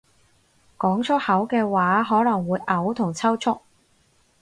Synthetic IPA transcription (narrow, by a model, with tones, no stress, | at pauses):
kɔː˨˥ŋt͡ʃʰʊ˥hɐ˨˥wkɛː˧waː˨˥ɦɔː˨˥lɐ˨˩ŋwuː˨˧jʔɐ˨˥wt̪ʰʊ˨˩ŋt͡sʰɐ˥wt͡ʃʰʊ˥k̚